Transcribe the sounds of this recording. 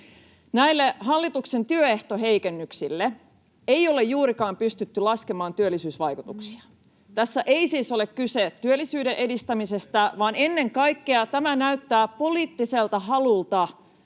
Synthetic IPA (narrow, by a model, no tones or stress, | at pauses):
næilːeɦɑlːit̪ukse̞nt̪yøeht̪oɦeikenːyksilːe | ejo̞lejjuːɾikɑːmpyst̪yt̪ːylɑskemɑːnt̪yølːisyːsʋɑjkut̪uksi̥ɑ̥ | t̪æsːæʔe̞isiːso̞le̞kkyset̪ːyølːisyːde̞nʔe̞dist̪æmise̞st̪æʋɑːne̞nːe̞ŋkɑjkːeɑt̪æmænæyt̪ːæːpo̞liːt̪ːiselt̪ɑɦɑlult̪ɑ